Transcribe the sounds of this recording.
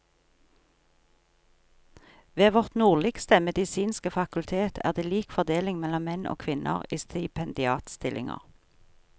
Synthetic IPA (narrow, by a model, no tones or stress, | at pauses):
ʋeːʋɔʁt̪nuːʁlɪkst̪əmɛd̪ɪsiːnskəfɑkʉlt̪ʰeːt̪ʰæ̰ːʁd̪eːliːkfɔʁd̪eːlɪŋmɛlɔmmɛnʔo̰ːkʰʋɪnʔə̰ʁiːst̪ɪpʰɛnd̪ɪɑːt̪st̪ɪlʔɪ̰ŋə̰ʁ